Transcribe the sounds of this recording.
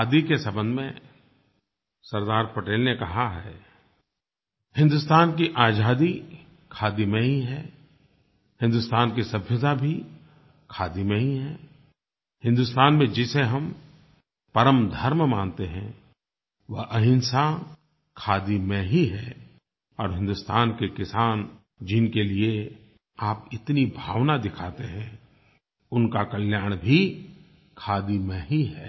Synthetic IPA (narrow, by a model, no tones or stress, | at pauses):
aːd̪ikesɐbə̃nd̪ʱmẽ | sɐɾd̪aːɾpɐʈeːlnekɐɦaɦɛː | hɪ̃nd̪ʊst̪aːnkiʔaːd͡ʒaːd̪i | kʰaːd̪imẽɦiɦɛː | hɪ̃nd̪ust̪aːnkisɐbʱjəd̪abʱi | kʰaːd̪imẽɦiɦɛː | hɪ̃nd̪ʊst̪aːnmẽd͡ʒɪseɦɐm | pɐɾəmd̪ʱəɾmmaːnt̪eɦɛ̃ | ʋɐʔɐɦɪ̃nsa | kʰaːd̪imẽɦiɦɛː | ɔːɾɦɪ̃nd̪ʊst̪aːnkekɪsaːn | d͡ʒɪnkelie | aːpɪt̪nibʱaːʋnad̪ɪkʰaːt̪eɦɛ̃ | ʊnkakəljaːɽ̃bʱi | kʰaːd̪imẽɦiɦɛː